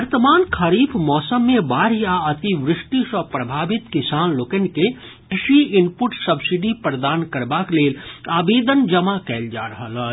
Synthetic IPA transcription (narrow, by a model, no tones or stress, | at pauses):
ɐɾt̪əmaːnkʰaɾiːpʰmɔːsəmːẽbaːɾiaɐt̪iʋɾɪʃʈiʃɔpɾɐbʱaːbɪt̪kɪsaːnloːkənke | kɪʃiɪnpʊʈsɐbsɪɖipɾəd̪aːnkəɾbakleːlaːbeːd̪ənd͡ʒɐmakɛːld͡ʒa̰ːɾɐɦələ